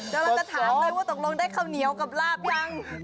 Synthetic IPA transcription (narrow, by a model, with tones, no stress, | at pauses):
t͡ɕa˧˦laː˧˥˩t͡ɕa˧˩t̪ʰaː˧˩˦maː˧˦waː˧˥˩t̪o˨˩k̚lo˧ŋdaː˥˩jkʰaː˧˥˩wni˨˩˦əwka˨˩p̚laː˥˩p̚ja˥˩ŋ